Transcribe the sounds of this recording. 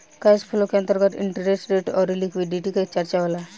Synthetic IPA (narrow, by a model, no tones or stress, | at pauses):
kaspʰulokeant̪əɾɡət̪ḭɳʈəɾɾeʈɾeʈɔɾilikʋiɖiʈikat͡ɕəɾt͡ɕaʋla